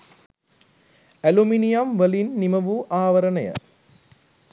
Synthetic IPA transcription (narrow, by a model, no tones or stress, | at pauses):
ɐluminijamʋɐlinːimɐʋuʔaːʋɐɾɐnɐjɐ̰